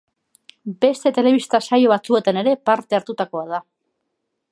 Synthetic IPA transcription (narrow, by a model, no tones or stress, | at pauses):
be̞st̪e̞t̪e̞le̞β̞ist̪asajo̞βat͡sue̞t̪ane̞ɾe̞paɾt̪e̞aɾt̪ut̪ako̞að̞a